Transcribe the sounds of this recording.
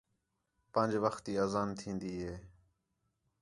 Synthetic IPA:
pənd͡ʒʋəxt̪iːəːzaːnt̪ʰĩːnd̪iːɦeː

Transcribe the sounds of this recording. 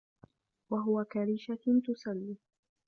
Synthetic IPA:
waɦʊwakaɾiːʃat̪ʊsalːi

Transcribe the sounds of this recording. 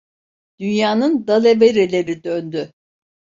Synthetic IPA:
d̪̥ynjaːnɯnd̪alʲebeɾelʲe̞ɾid̪ønd̪y

